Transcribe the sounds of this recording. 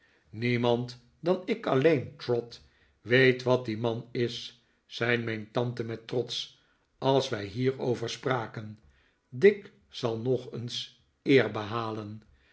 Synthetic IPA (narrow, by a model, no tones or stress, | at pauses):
nimɑnt | dɑnɪkɑlejntrɔt | ʋejtʋɑt̚dimɑnɪsː | ɛjnmɛjntɑntəmɛtrɔts | ɑlˠsʋɛjɦiːɹowvəɹspraːkən | dɪk | sɑlˠnɔχəns | ɪːɹbəɦaːlən